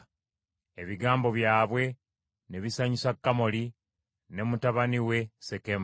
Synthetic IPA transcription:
e̞βiɡaːmbo̞βjaːβwe̞ | ne̞βisaɲisakːamo̞li | ne̞mutaβaniwe̞se̞kem

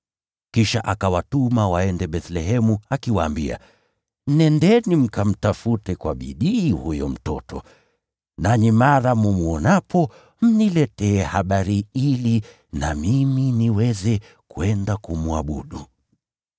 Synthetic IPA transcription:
kiʃaʔakawatumawaɛndɛɓɛθlɛɦɛmuakiwaːmbia̰ | m̩nɛndɛnim̩kam̩tafutɛkwa̰ɓḭɗiːhujɔm̩tɔ̰tʰɔ̰ | nanimaɾamumuɔnapʰɔ | m̩nilɛtɛːhaɓaɾiili | namiminiwɛzɛ | kuɛndakumua̰ɓṵɗu

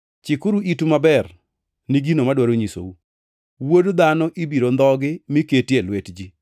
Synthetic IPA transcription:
t͡ʃɪkʊɾuitumabɛr | niɡinomadwaɾoɲiso̰u | wodd̪anɔʔibiɾond̪ɔɡɪmɪketielwetd͡ʒi

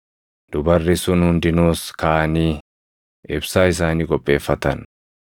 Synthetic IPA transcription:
d̪̥ʊbɐrːɪsʊnhʊnd̪ɪnoːskaːɐniː | ɪbsaːɪs̬aːniːkʼɔpʼːe̞ːfːɐt̪ɐn

